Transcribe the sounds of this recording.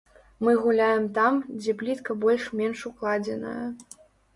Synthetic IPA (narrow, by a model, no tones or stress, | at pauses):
mɨɣulʲajɛmt̪amd͡zʲɛplʲit̪kɐbɔlʲʂmʲɛnʂuklˠad͡zʲɛnɐ̰jɐ